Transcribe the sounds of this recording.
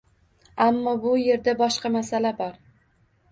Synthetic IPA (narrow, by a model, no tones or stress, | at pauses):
amːɒbʊje̞ɾd̪abɒʃqɑmasalabɒɾ